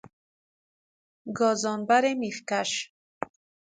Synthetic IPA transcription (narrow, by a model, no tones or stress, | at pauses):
ɡɔːzɔnbaɾemifkaʃ